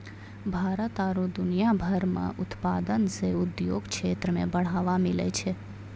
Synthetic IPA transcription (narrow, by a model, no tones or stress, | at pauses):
bʱaːɾət̪aɾud̪ʊnijabʱəɾmã̰ʔʊt̪pad̪ənseʊd̪jo̰ɡkʰet̪ɾəmḛ̃bəɽ̤aʋamilḛt͡ʃʰe